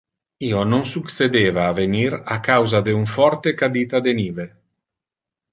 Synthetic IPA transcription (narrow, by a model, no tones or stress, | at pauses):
iːonoŋsuksed̪eːvaːveniɾakawzad̪euɱfɔɾt̪ekad̪iːt̪ad̪eniːve